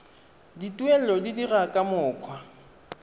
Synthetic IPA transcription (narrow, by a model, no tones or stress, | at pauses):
ditʼwɛlɔdidirakʼamʊːkʰwa